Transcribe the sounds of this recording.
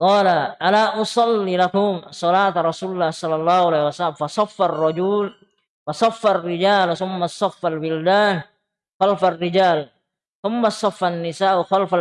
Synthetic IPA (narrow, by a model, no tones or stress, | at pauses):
qɑːlaʔalaːʔʊsˤɑlːilakʊmsˤːɑlaːt̪ɾˤɑsuːllːaːhsˤɑlːɑlːaːhulahwasalamfɑsˤɑfːarˤːɑd͡ʒul | fɑsˤɑfːarːɪd͡ʒaːlθʊmːasˤɑfːalbɪld̪aːn | xalfarːɪd͡ʒaːl | θʊmːasˤɑfːanːɪsaːʔʊxalfa